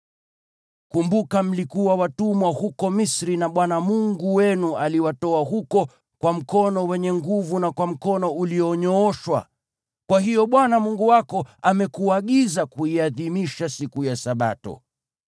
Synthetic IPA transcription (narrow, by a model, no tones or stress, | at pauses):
kumbukam̩likuwawatumwahukɔmisɾinaɓwanamuŋɡuwɛnualiwatɔaɦukɔ | kwam̩kɔnɔwɛɲɛŋɡuvunakwam̩kɔnɔuliɔɲɔɔʃwa̰ | kwaɦijɔɓwanamuŋɡuwakɔamɛkuaɠizakuiaðimiʃasikujasaɓa̰tɔ̰